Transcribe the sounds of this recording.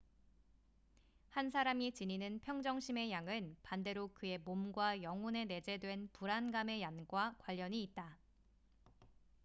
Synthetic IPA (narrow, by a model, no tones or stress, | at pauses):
hans̬ʰaɾamit͡ɕiɲinɯnpʰjʌŋd͡ʑʌŋɕʰime̞jaŋɯnpande̞ɾokɯe̞momɡwajʌŋune̞ne̞d͡ʑe̞dwe̞npuɾanɡame̞janɡwakwaʎːʌɲiːt̚t͈a